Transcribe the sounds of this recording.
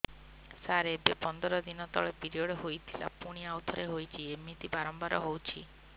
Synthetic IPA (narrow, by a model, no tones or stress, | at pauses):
saɾebepɔnd̪ɔɾɔd̪inɔt̪ɔ̰ɭepiɾiɔɽɔɦojt̪ʰila̰puɽ̃iawt̪ʰɔɾeɦojt͡ʃʰiemit̪ibaɾɔmbaɾɔɦowt͡ʃʰi